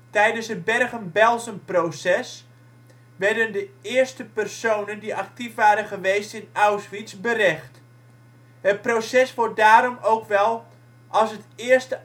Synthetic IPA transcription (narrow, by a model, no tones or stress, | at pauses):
tɛjdənsət̚bɛrɣəmbɛlˠsəmprowsɛs | ʋɛrdəndəɪːərstəpərsownəndiʔak̚tifʋaːɾənχəʋejstɪnawsʋisbəɾɛxt | ɦət̚prowsɛsʋɔt̚daːɾɔmowkʋɛlˠ | ʔɑlˠsətɪərstə